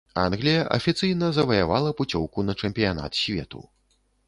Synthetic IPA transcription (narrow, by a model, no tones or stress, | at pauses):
a̰nɣlʲijɐʔɐ̰fʲit̪sɨjnɐzɐvɐjavalˠɐput͡sʲɔwkunɐt͡ʂɛmʲpʲijana̰t̪sʲvʲɛ̰t̪ṵ